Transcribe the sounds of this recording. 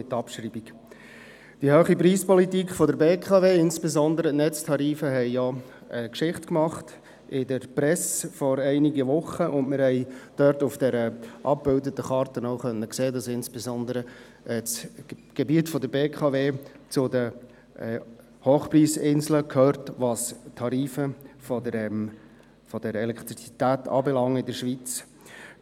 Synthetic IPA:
ɪtːɑpʃriːbiɡ | d̥ihøːχipriːspɔlitikχfɔdəɾbeːkʰɑːveːɪnsb̥ezɔnd̪əɾənɛt͡stʰɑɾiːfəɦɛɪjɔ | əkʃɪχtkmɑχt | ɪdəɾpɾɛsfɔɾɛɪniɡəʋʊχəʔʊndmɪɾhɛɪd̥œɾtʊfd̥ɛɾəʔɑp̚b̥ɪldətəχɑːɾtənoʊχœnːəkseːdɑsɪnsb̥ɛzɔndəɾə | ʔɛt͡sɡ̥ebiətfɔdəɾbeːkʰɑveːt͡sʊdə | hoːχpriːsɪnzləkʰhøːɾtʋɑstʰɑɾiːfəfɔdəɾɛm | fɔd̥əɾɛlɛkt̪ɾit͡si̥t̪æːtɑ̰ːbɛlɑŋːəɪdəʃvʋit͡s

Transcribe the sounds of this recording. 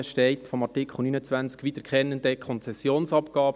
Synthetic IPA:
ʃtɛɪtfɔmɑɹtɪkʰχl̩nyːnət͡sʋænt͡skʋitəɾkχɛnːənd̥̪əkʰχɔnt͡sɛsːjoːnsɑpkɑːb

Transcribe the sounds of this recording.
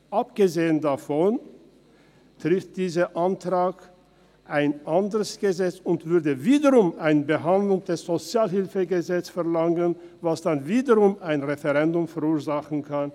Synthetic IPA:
ʔapɡ̥əzeːəndafɔn | tʁ̥ɪft̚d̥iːzəʔantʁ̥aːk | ʔaɪnʔandəʁəsɡ̥əzɛt͡sʊntv̥ʏɐdəviːdəʁʊmaɪnəbəɦandlʊŋdɛsz̥ot͡sjaːlhɪlfəɡəzɛt͡st͡sfɛɐlaŋən | vasd̥anviːdəʁʊmaɪnʁefɛʁɛndʊmfɛɐuːɐzaχn̩kʰan

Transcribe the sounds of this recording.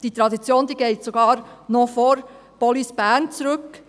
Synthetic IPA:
d̥it̪ɾɑd̪it͡sjoːnd̪iːɡeɪtsoɡɑːɾnofɔɾ | b̥ɔlisb̥æɾnt͡sɾɵk

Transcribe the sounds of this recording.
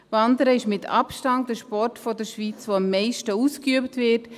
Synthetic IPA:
vɑndəɾəɪʃmɪtʰɑ̰pʃtɑn̚dəʃpɔrtfɔdəɾʃviːt͡svoːɑmːɛɪʃtəuːskyəptvɪt

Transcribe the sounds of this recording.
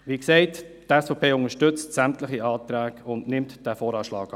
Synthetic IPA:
ʋiːksɛɪt | tɛsfɔpʰeːʊŋəʃtʏt͡stsæmtləχiɑːtɾæːkʊndnɪmtd̥æːfɔːɾɑːʃlɑ̰ːɡ

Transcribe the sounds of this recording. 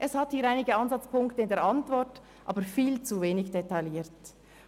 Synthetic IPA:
ʔɛshɑthiːɐɾaɪnɪɡəɑnzɑt͡spʰʊŋktəɪndeːʔɑntvɔɾt | ʔɑ̰ːbəɾfiːlt͡suveːnɪçd̥etaɪljiːt

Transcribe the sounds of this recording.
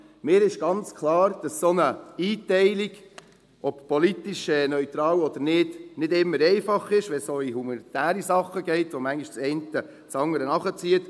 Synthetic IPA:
mɪːɾɪʃɡ̥ɑnt͡skʰlɑːɾd̥ɑssonəiːtɛɪliɡ | ʔɔppɔlit̪iʃɛːnœʏt̪ɾɑːwɔd̪əɾnɪdnɪdɪmːəɾɛɪfɑχɪʃʋɛsoihumɑnit̪æːɾisɑχːəɡɛɪtʋomæŋɡiʃt͡sɛɪntə | t͡sɑŋːəɾənɑχət͡siət

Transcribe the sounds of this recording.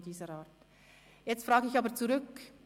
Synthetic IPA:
d̥iːzəɾaːt | jɛt͡stfʁaːɡəɪçɑːbət͡suʁʏk

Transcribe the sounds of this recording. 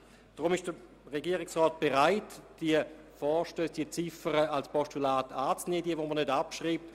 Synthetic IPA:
d̥ʁʊmɪʃd̥ə | ʁɛɡiəʁɪksʁɔːt̚b̥ɛʁaɪtd̥iə | fɔːʃtøːsd̥iət͡sɪfəʁəalspɔstulaːtaːt͡sneːdiəvomənødapʃʁiːp̚t

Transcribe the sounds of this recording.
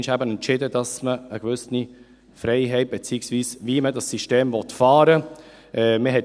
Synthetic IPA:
nʃhæbənɛntt͡ʃɪdədɑsməəɡ̥ʋʏsni | fɾɛɪɦɛɪt̚b̥et͡siːəksviːsviːmədɑsːiʃteːmvɔtfɑːɾə | ʔɛmɪɦɛt

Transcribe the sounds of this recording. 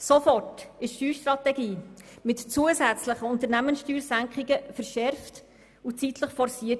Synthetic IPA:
sofɔrtɪʃʃyːʃtɾɑtɛɡiːmɪtt͡suəzæt͡sləχəʊnt̪əɾnæmənsʃtyːɾsæŋkχɪɡəfəɾʃɛɾft | ut͡sitʰləχfɔɾsiːət

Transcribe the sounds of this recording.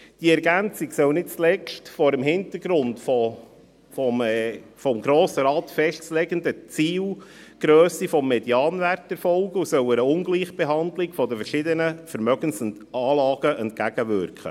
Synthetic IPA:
d̥iəɛɾɡænt͡siɡsœwnɪt̚t͡slɛʃtfɔːɾəmɦɪnt̪əɾɡɾʊntfɔ | fɔmfɔmɡɾoːsəɾɑːt̪fɛʃtslɛɡəndət͡siːl | ɡ̥ɾøːsifɔmːɛdjɑːnʋærtɛɾfɔlɡəusœwəɾəʊnɡliːχb̥eɦɑnd̪lɪɡfɔd̪əfəɾʃɪd̪ənəfəɾmœɡ̥ənsɛn | ɑːlɑːɡ̥əʔɛnt̚kæɡ̥əʋʏ̰ɾkχə̰

